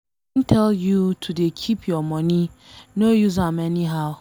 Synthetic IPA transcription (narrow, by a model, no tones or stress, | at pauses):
ntʰɛljutʰudekʰipʰjɔmɔninojuzamɛniɦaʊ